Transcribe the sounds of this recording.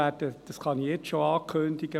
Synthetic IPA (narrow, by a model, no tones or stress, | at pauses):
ætəd̥ɑskɑnijɛt͡sʃoɑːkʰøndiɡ̥ə